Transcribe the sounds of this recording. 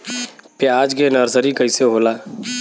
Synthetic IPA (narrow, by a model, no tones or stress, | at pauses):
pjaːd͡ʒkenəɾsəɾikəɪseɦoːlaː